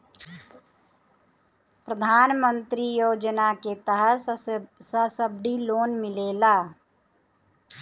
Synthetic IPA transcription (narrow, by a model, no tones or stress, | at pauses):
pɾəd̪ʱaːnmə̃nt̪ɾijoːd͡ʒnaket̪əɦə | səsəb̚ɖ̪iloːnmɪleːlaː